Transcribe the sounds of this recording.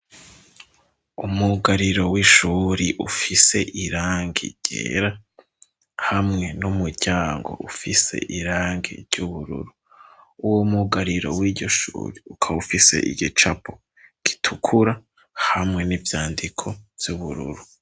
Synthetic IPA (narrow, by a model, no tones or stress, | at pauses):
umuɡaɾiɾo̞wiʃuɾiʔufise̞ʔiɾaːŋɡḭɟ̥ḛːɾa | hamŋe̞numuɾɟaːŋɡo̞̰ʔufise̞̰ʔiɾaːŋɡḭɾɟuβuɾṵɾu | uwomuɡaɾiɾo̞̰wiːɟo̞ʃṵːɾiukʰaufise̞̰ʔḭɟit͡ʃapʰo̥ | ɡ̥i̥tʰukʰuɾa | hamŋe̞nivjaːndikʰo̞v̥juβuɾṵɾu